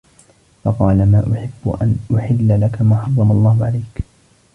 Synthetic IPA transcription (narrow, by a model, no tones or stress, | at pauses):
fɑqɑːlamaːʔʊħɪbːʊ̰ʔa̰nʔʊħɪlːalakamaːħɑrˤːɑmɑlˤːɑːhʊʕalajk